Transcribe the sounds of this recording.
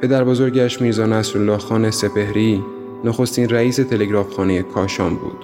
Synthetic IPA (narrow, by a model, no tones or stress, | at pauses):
pʰe̞d̪æɾbozo̞ɾɟæʃmiːɾzɒːnæsɾolːɒːhxɒːne̞se̞pʰe̞hɾiː | noxo̞st̪inræiːse̞t̪ʰe̞le̞ɡɾɒːfxɒːnejekʰɒːʃɒːmbṵːd̪̥